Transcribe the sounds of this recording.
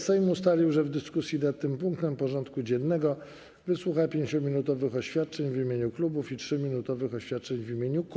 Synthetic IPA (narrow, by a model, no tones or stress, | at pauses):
sɛjmust̪alʲiwʐɛvd̪ɘskusʲjinat̪̚ːɘmpuŋk̚t̪ɛmpɔʐɔnt̪kud͡ʑɛnːɛɡɔ | vɘswuxapʲjeɲt͡ɕɔmʲinut̪ɔvɘxɔɕfʲjat̪̚t͡ʂɛɲvimʲjeɲuklubufitʂɘmʲinut̪ɔvɘxɔɕfʲjat̪̚t͡ʂɛɲvimʲeɲuk